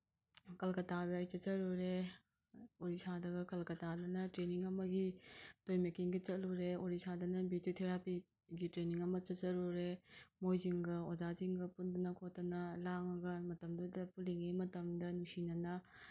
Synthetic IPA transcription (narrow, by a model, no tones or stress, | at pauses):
kɐlkɐtabeajt͡ʃɐt͡ʃɐɾuɾe | oɾisadɐɡɐkɐlkɐtadɐnɐtɾeniŋɐmɐɡitojmekiŋɡɐt͡ʃɐt̚luɾeoɾisadɐnɐbidiotʰeɾapi | ɡitɾeniŋɐmɐt͡ʃɐt͡ʃɐɾuɾemojziŋɡɐod͡ʒaziŋɡɐpundunɐkʰotːɐnɐlaŋɐɡɐmɐtɐmdudɐpuliŋemɐtɐmdɐnusinɐnɐ